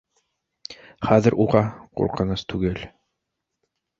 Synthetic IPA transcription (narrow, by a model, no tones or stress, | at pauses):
χæðɘɾʔuʁɑqṵɾqɤ̆nɤst̪ʉɡɘl